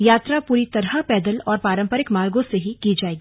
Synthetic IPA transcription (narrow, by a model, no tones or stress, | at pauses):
jaːt̪ɾapuːɾit̪ɐɾəpɛːd̪əlɔːɾpaːɾə̃mpəɾɪkmaːlɡõseɦikid͡ʒaːeːɡiː